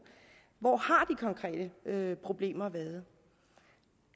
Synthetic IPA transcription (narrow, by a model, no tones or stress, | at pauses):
ʋɒːhɑ̈d̥ikʰɒ̽ŋkʰʁɛ̰ːd̥əøpʰʁo̝b̥le̝̰ːmɐʋæːð̞̩ˠ